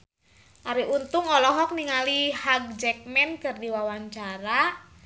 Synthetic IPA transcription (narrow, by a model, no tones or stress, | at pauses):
ʔaɾiunt̪uŋɔlɔɦɔk̚niŋalihaɡ̚d͡ʒɛk̚mɛnkərdiwawaɲt͡ʃaɾa